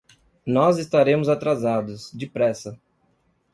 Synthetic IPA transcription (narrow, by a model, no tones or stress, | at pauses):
nɔzɪst̪aɾẽmʊzat̪ɾazad̪ʊsd͡ʒɪpɾɛsɐ